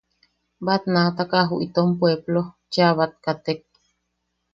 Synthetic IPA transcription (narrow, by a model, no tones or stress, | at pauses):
bat̪nat̪akaɦuʔit̪ompweblo | t͡ʃaβat̪̚kat̪ek̚